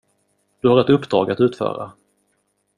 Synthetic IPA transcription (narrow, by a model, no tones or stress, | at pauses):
d̪̥ɵhaɾɛt̪ɵpːd̪ɾɑːɡat̪ʉ̟ːt̪fœ̰ːɾa̰